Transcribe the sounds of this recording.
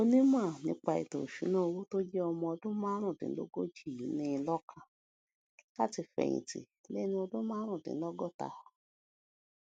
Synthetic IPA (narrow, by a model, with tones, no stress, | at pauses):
o˦˧nĩ˦mã˦˨nĩ˧˦k͡pa˧ḭ˨to̰˨ʃṵ˨˦no˦˧wo˦to˦d͡ʒɛ˦ɔ˧mɔ̃˧ɔ˧dũ˦mãː˦ɾ̃ũ˦˨dḭ˨n̩˦lo̰˦ɡo˦d͡ʒi˦˨i˨˦ne˦˧lɔ˦kʰa˧ | la˦˨ti˧fɛ̰˨ɲḭ̃˨tḭ˨ | le˦nĩ˧˦ɔ˧dũ˦mãː˦ɾ̃ũ˦˨dḭ˨n̩˦lɔ˦ɡɔ˦˨ta̰˨hɔ˨